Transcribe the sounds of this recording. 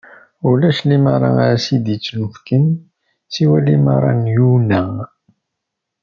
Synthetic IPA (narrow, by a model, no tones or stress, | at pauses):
ulæʃlimɑɾˤɑ̰aɾsid̪it͡sːnufkən | siwælimɑɾˤɑ̰njunæ